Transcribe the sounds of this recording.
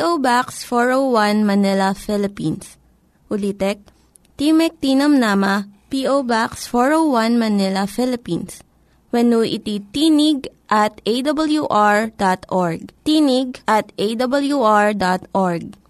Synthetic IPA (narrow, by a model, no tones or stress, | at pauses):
pʔobaksfoɹowwanmɐnɛlɐfɪlɪpins | ʊlit̪ɛk̚ | t̪imɛk̚t̪inɐmnaːmɐpiʔowbaksfoɹowwanmɐnɛlɐfɛlɪpins | wɛnuʔɪt̪it̪iːnɪɡ̚ʔɐt̪̚ejd̪ɐbɐljuʔaɹd̪at̪ʔɔɹɡ̚t̪iːnɪɡ̚ʔɐt̪ʔejd̪ɐbɐljuʔaɹd̪at̪ʔoɹɡ̚